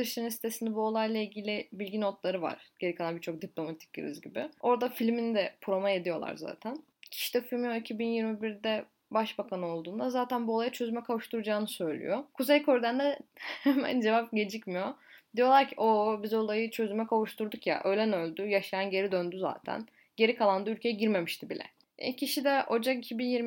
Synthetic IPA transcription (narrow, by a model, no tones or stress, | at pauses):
ɯʃt̪ɯnɯnsi̥t̪ʰe̞sind̪ɛbuo̞lˠajlˠailʲɟilʲɪbilʲɡɟinot̪lˠaɾɯva̰ɾ̥ɟ̥e̞ɾikalˠanbiɾt͡ʃʰo̞k̚d̪iplʲo̞mat̪ʰi̥c̚ḭɾḭzɟibɪo̞ɾd̪afilʲmind̪ɛpʰɾo̞maje̞d̪ijo̞lˠa̰ɾza̰ːt̪ʰæn | cʰi̥ʃid̪ɛfilʲmijoecʰibinjiɾmibiɾd̪ɛ | baʃbakʰanɯo̞lˠd̪uːnd̪azaːt̪ʰænbulˠajat͡ʃʰø̞zymɛkʰavuʃt̪uɾud͡ʒaːnɯsø̞jlʲḭjokʰuzejkʰo̞ɾd̪ænd̪ɛhhɛmæ̰nd͡ʒevap̚ɟe̞d͡ʒicmijod̪ijo̞lˠaɾcʰiʔobizo̞lˠajɯt͡ʃʰø̞zymɛkʰavuʃt̪ʰuɾd̪ukja̰ʔøjlʲɛnølʲd̪yjaʃajanɟe̞ɾid̪ønd̪yza̰ːt̪ʰæ̰n | ɟe̞ɾikʰalˠand̪ɯylʲcʰejɛɟiɾme̞miʃt̪ʰibilʲɛ̰ | ja̰cʰiʃid̪ɛod͡ʒakicʰibinjiɾ